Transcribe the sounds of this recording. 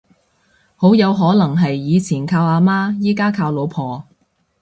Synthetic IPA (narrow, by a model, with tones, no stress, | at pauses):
ho˨˥wjɐ˨˧wɦɔː˨˥lɐ˨˩ŋɦɐ˨jːiː˨˧t͡sʰiː˨˩nkʰaː˧waː˨˧maː˥jiː˥kaː˥kʰaː˧wlo˨˧wpʰɔː˨